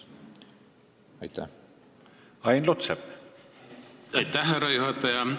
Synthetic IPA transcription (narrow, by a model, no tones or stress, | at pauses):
ɑjt̪ːæ̰ | ɑjnlot̪sep | ɑjt̪æhːæɾɑjuɦɑt̪ːɑjɑ